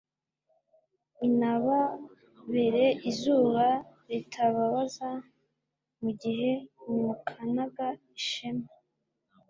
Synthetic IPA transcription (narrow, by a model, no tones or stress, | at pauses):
inaβa | βe̞ɾe̞ʔizuːβa | ɾitʰaβaβaza | muɟihe̞nimukʰanaɡaiʃema